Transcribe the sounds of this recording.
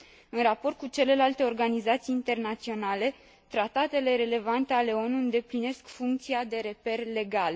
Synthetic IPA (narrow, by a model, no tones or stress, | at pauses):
ɨnrapo̞rt̪̚kut͡ʃe̞le̞lalt̪e̞o̞rɡanizat̪sijːnt̪e̞rnat̪sio̞nale̞ | t̪ɾat̪at̪e̞le̞ɾe̞le̞vant̪e̞ale̞o̞nuɨnd̪e̞pline̞skfuŋk̚t̪siad̪e̞ɾe̞pe̞rle̞ɡal